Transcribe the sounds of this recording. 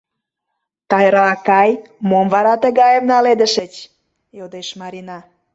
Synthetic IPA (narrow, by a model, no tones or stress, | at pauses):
t̪ɑjɾɑɑkɑjmomvɑɾɑt̪əɣɑjəmnɑled̪əʃət͡ɕ | jod̪eʃmɑɾinɑ